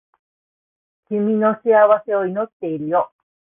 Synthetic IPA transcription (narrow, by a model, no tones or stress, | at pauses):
kʲimʲino̞ɕiaβase̞o̞ino̞t̪ːe̞iɾɯ̟jo